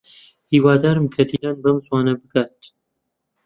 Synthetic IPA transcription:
hiːwaːd̪aːɾɨmkʰɐt̪iːɾaːnbɐmswaːnɐbɨkaːt̪

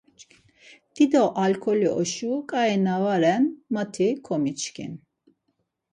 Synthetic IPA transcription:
d̪̥id̪ɔʔalkʰɔliʔɔʃukʼaɛnavaɾɛnmat̪ʰikʰɔmit͡ʃkʰḭn

